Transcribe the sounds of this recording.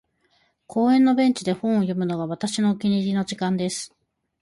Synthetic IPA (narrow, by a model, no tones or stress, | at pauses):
kʰo̞ːẽ̞nːo̞bẽ̞ɲt͡ɕid̪e̞hõ̞ɰ̃ojo̞mɯ̟no̞ɡaβ̞at̪aɕino̞ɯkʲiɲ̟iɾʲino̞ʑikãnd̪e̞sɨ̥